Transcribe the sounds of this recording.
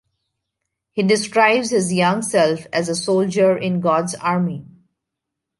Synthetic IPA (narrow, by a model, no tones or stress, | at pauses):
hiːɖɪskɾaɪbzhɪzjʌ̃ŋɡsɛlfæzəsoːld͡ʒəɾɪ̃nɡɔːɖzaːɾmi